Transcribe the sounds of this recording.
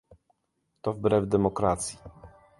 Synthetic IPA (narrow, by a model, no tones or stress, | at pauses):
t̪ɔvbɾɛvd̪ɛmɔkɾat̪sʲji